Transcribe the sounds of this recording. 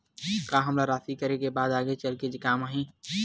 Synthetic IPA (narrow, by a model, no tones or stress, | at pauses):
kaɦɐmlaɾaːsikɐɾekebaːd̪aːɡet͡ʃɐlked͡ʒekaːmaːɦĩː